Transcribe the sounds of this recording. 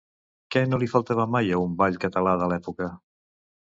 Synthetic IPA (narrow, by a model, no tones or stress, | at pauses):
kɛnolifəlˠt̪aβəmajəumbaʎkət̪əlaðəlɛpukə